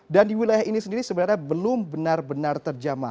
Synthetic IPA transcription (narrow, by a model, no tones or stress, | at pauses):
dandiwilajahinisəndiɾisəbənaɾɲabəlʊmbənarbənart̪ərd͡ʒama̰